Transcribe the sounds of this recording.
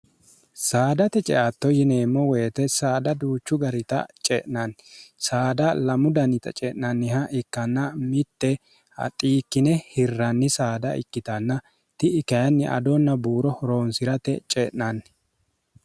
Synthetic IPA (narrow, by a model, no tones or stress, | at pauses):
saːd̪ɐt̪ɛt͡ʃʼɛ̰ʔat̪ːɔjɪneːmːɔweːt̪ɛsaːd̪ɐd̪uːt͡ʃːʊɡɐɾɪt̪ɐ̰t͡ʃʼɛ̰ʔnɐnsaːd̪ɐlɐmʊd̪ɐnɪt̪ɐ̰t͡ʃʼɛːʔnɐnːɪhɐʔɪkːɐnːɐmɪt̪ːɛ | ɐ̰t̪ʼiːkːɪnɛhɪrːɐnːɪsaːd̪ɐ̰ʔɪ̰kːɪt̪ɐnːɐ | t̪ɪɪkɐjɐnːɪʔɐ̰d̪ɔnːɐbuːɾɔhɔɾo̞ːnsɪɾɐt̪ɛ̰t͡ʃʼɛ̰ʔnɐn